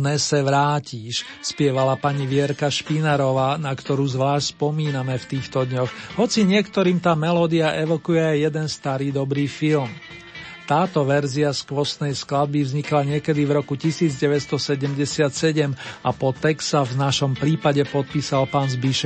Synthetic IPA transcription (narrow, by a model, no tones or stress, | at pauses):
nɛsɛʋɾaːciːʃ | spɪɛʋalapaɲiʋɪɛɾkaʃpinaɾɔʋaːnakt̪ɔɾuːzʋlaːʃtspɔmiːnamɛft̪iːxt̪ɔd̪ɲɔxɦɔt͡siɲɪɛkt̪ɔɾiːmt̪aːmɛlɔːd̪iaʔɛʋɔkujɛajːɛd̪ɛnst̪aɾiːd̪ɔbɾiːfilm | t̪aːt̪ɔʋɛɾziaskʋɔsnɛjsklad̪̚bivzɲiklaɲɪɛkɛd̪ivɾɔkucisiːd͡zɟɛʋɛtst̪ɔsɛɟɛmɟɛsɪat̪sɛɟɛmapɔt̪ɛksavnaʃɔmpɾiːpaɟɛpɔt̪̚piːsalpaːnzbiʃɛ